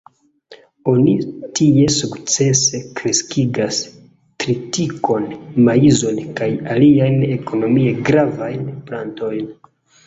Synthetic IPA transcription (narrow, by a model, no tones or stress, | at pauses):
o̞nitie̞sukt͡se̞se̞kɾe̞skiɡas | tɾitiko̞nmaizo̞nkajaliajne̞ko̞no̞mie̞ɡɾavajnpla̰nto̞jn